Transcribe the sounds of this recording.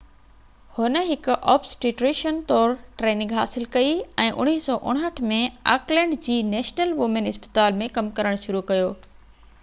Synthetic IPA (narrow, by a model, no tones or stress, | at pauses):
hʊnəɦɪkʊʔɔːpsʈiːʈɾeːʃənt̪ɔːɾʈɾeːnɪ̃ŋɡɦaːsɪlkɐiɛ̃ːʔʊ̰ɽ̃iːɦsɔːʔʊ̰ɽ̃ɦəʈʰmẽa̰ːklɛ̃ːɳɖd͡ʑiːneːʃnəlʋʊmenɪspə̥t̪aːlmẽkɐmkɐɾəɽ̃ʃʊɾukɐjoː